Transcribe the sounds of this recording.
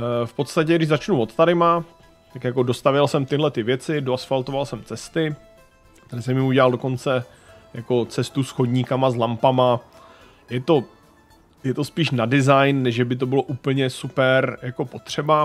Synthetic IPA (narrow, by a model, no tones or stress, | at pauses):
fpo̞t̪st̪acɛɡdɪʒzat͡ʃnuvo̞t̪t̪aɾɪma | t̪akjako̞do̞st̪avjɛlsɛmt̪ɪɦlɛt̪ɪvjɛt͡sɪdoasfalt̪ovalsɛmt͡sɛst̪ɪ | kt̪ɛɾɪsɛmɪuɟɛlaldo̞ko̞nt͡sɛ | jako̞t͡sɛst̪usxoɟɲikamazlampama | jɛt̪o̞ | jɛt̪o̞spiːʃnadɪzajnːɛʒʒɛbɪt̪̬o̞bɪlo̞ʔuːpl̩ɲɛsupɛɾjako̞po̞t̪r̝̥ɛba